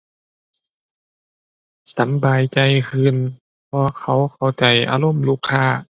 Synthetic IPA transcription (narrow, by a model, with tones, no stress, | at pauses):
sa˨˦mbaː˨˩jt͡ɕa˧˩jkʰɯː˧˨n | pʰɔː˧kʰa˧˩wkʰa˨˩wt͡ɕa˨˩jʔa̰ː˧lo˧˥˨mluː˧˩kʰːaː˧˩